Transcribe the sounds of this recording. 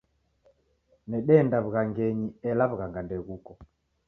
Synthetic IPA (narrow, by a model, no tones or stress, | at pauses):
nɛɗɛndaβuɣaŋɡɛɲiɛlaβuɣaŋɡandɛɣukɔ